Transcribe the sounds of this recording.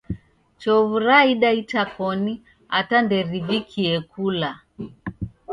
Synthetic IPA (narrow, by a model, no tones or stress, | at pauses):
t͡ʃɔvuɾaiɗaitakɔni | atandɛɾivikʰiɛkʰula